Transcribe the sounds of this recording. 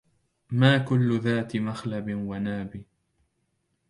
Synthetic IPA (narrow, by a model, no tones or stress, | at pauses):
maːkʊlːʊðaːt̪ɪmaxlabɪwanaːbi